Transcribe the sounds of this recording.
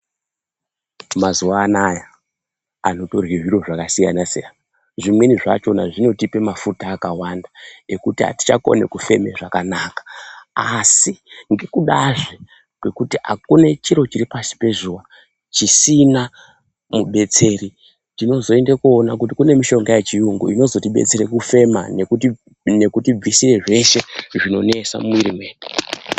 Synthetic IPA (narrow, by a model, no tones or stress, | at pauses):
mazuʋaːnaja | ano̞to̞rwiɦiɾo̞ʐakasija̰nasḛjana | ʐimwe̞niʐa̰t͡ʃo̞naʐino̞tipe̞mafutaːkawandae̞kutiɦa̰ti̥t͡ʃako̞̰ne̞̰kufe̞me̞ʐakanaːkḁasiŋɡekuɗaʐe | kwe̞kutiɦa̰kune̞t͡ʃiɾo̞t͡ʃiɾipasi̥pe̞ʐuwa | t͡ʃisina | muɓe̞t͡se̞ɾi | tino̞zo̞e̞ndekuonak̬utikune̞miʃo̞ŋɡajet͡ʃijuŋɡṵino̞zo̞tiɓe̞̰t͡seɾe̞kufe̞ma̰nekut | ne̞kutib͡visire̞ʐe̞ʃe̞ʐino̞ne̞sa̰muiɾimweːne